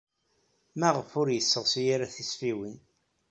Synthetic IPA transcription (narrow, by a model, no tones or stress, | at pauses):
mæʁəfʊɾjəsːəʁsijiɾæθisfiwin